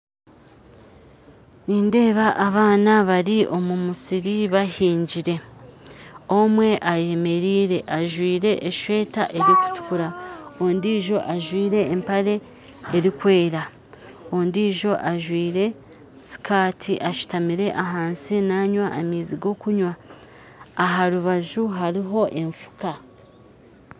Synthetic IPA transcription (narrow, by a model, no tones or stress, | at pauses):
niːnde̞ːβaʔːβaːnaβaɾiʔo̞mumusiɾiβahiːɲɟiɾe̞ | o̞mwe̞ʔaje̞me̞ɾiːɾe̞ʔaʒwiːɾe̞ʔeʃwe̞ːtaʔe̞ɾiku̥tu̥kuɾaondiːʒo̞ʔaʒwiːɾe̞ːmpaɾe̞ː | ɾikwe̞ːɾa | ondiːʒo̞ʔaʒwiːɾe̞ | si̥kʰaːtʰiʔaʃu̥tamiɾe̞ʔaɦaːnsinaːɲwaʔamiːziɡo̞kuɲwaː | ɦaɾuβaʒuɦaɾiɦo̞ʔe̞ɱfu̥ka